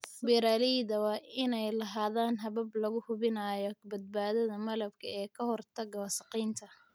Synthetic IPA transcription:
bɛɾaːliðɐwɑːʔɪnɛjlɐɦaːðaːnɦɐβɐblɐɣʊhʊβɪnaːjɔbɐd̪̚baːðɐðɐmɐlɐbkʰɐɛːkʰɐhɔrt̪ʰɐɡɐwɐsɐqiːnt̪ʰɐ

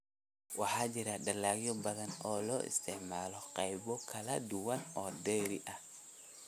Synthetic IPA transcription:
wɑħɑːt͡ʃɪɾɐɖɐlaːɣjɔbɐðɐnɔːlɔːʔɪ̰st̪ʰɛʕmaːlɔqɑjβɔkʰɐlɐd̪ʊwɐnɔːd̪ɛːɾɪʔɐ

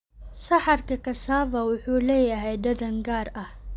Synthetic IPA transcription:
sɐhaɾkakɐsaːvawʊħuːlɐjjaɦajdɐdɐŋɡaːɾʔa

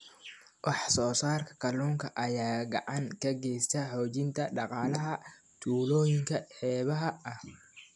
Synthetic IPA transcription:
wʔɑħsɔːsaːrkʰɐ̥kʰɐluːŋkʰɐʔɐjaːɡɑʕɑŋkʰɐɡɛjst̪ʰɐħɔːt͡ʃɪnt̪ʰɐɖɑqɑːlɐɦɐ | t̪ʰuːlɔːjɪŋkʰɐħɛːβɐɦɐɐh

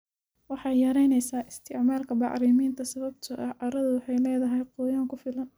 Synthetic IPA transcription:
wɑħɑjjɐɾɛjnɛjsaːʔɪst̪ʰɪʕmaːlkʰɐbɑ̰ʕɾiːmiːnt̪ʰɐsɐβɐb̚t̪ʰʊʔɐhʕɑɾɐðʊwɑħɑjlɛːðɐɦɛjqɔjaːŋkʰʊfɪlɐn

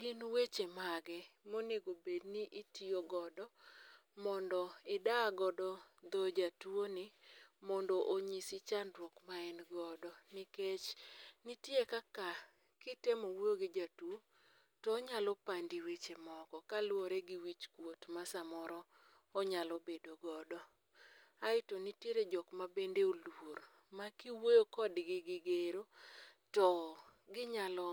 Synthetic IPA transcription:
ɡɪnwet͡ʃemaɡɛmoneɡobedniʔitioɡɔdɔ | mɔndɔɪdaɡɔdɔd̪ɔd͡ʒatwonɪmɔndɔʔoɲisɪt͡ʃandɾwokmaɛnɡɔdɔnɪket͡ʃnɪtjekaka | kɪtemɔwoɡɪd͡ʒatuo | tɔːɲalɔpandiwet͡ʃemɔkɔkalwoɾeɡiwit͡ʃkwotmasamɔɾɔ | ɔɲalɔbedoɡɔdɔ | aɪtonitjeɾed͡ʒɔkmabendeoluoɾ | makiwojokɔdɡɪɡɪɡeɾo | tɔ | ɡɪɲalɔ

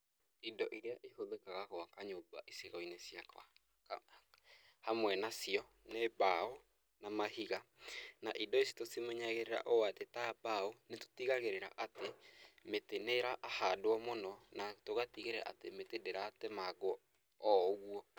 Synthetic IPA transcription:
indɔʔiɾeaʔehoðekaɣakowakaɲobaʔeseɣainesjakwa̰ | hamwɛnasiɔ | nebao | namahiɣanaʔidɔesi̥tosimoɲaɣeɾeɾa̰ʔoatetabaoneto̥tiɣaɣeɾeɾa̰ʔatemeteneɾaʔːhadoɔmonɔnatoɣatiɣeɾeɾa̰a̰temetedeɾaːtɛmaɡo | ɔɣuɔ

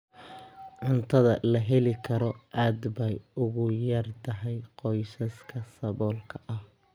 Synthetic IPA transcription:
ʕʊnt̪ʰɐðɐlɐɦɛlɪkʰɐɾɔʔaːd̪bɛjʊɣʊjɐrt̪ʰɐɦɛjqɔjsɐskʰɐsɐβɔːlkʰɐʔɐh

